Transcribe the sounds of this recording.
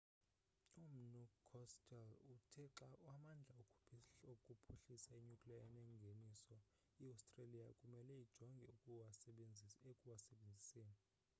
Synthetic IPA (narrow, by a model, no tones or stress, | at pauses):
um̩nukʰːɔstʰʼɛlutʰɛǁawamand͡ɮʱaukʰʼuokʼupʰuɬisaiɲukʼliaɛnɛŋɡʱenisɔ | iawstʼrelijakʼumɛlɛid̥ʒ̥ʱɔŋɡʱɛu | ekʼuwasɓed͡zʱiseːni